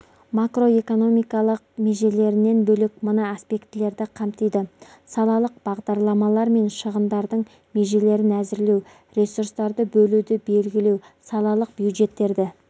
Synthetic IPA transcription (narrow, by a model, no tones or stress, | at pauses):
makro̞e̞ko̞no̞mijkɑlˠəq̚me̞ʒe̞le̞ɾɪne̞nbɵlɪk̚mənəaspe̞kt̪ɪle̞ɾd̪ɪqʰɑmt̪ijd̪ə | sɑlˠɑlˠəq̚b̥ɑʁd̪ɑɾlˠɑmɑlˠɑɾme̞nʃəʁənd̪ɑɾd̪əɴ | me̞ʒe̞le̞ɾɪnæzɪɾle̞w | ɾʲe̞suɾst̪ɑɾd̪əbɵlud̪ɪbe̞lɡʲɪle̞w | sɑlˠɑlˠəq̚bjud̪ʒe̞t̪ːe̞ɾd̪ɪ